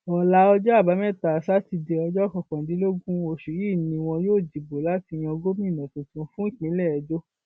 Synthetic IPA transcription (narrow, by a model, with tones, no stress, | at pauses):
ɔ˨la˦ɔ˧d͡ʒɔ˦a˦˨ba˨˦mɛ̃˦˨ta˨sa˦ti˧de˧ɔ˧d͡ʒɔ˦kɔ̃˨kɔ̃˨dĩ˨˦lo˦ɡũ˦o˨ʃi˨ji˦˨nĩ˧w̃ɔ̃˧joː˦˨d͡ʒi˨bo˨la˨˦ti˧j̃ɛ̃˧ɔ˧ɡo˦mĩ˦˨nã˨tĩ˨tũ˧˦fũ˦i˦˨k͡pĩ˨˦lɛ˦˨ɛ˨˦d͡ʒo˦